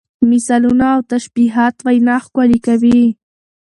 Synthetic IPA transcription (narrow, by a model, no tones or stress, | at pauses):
mɪsalʊnawt̪aʃpiɦat̪wajnɑχkʷwalɪkawi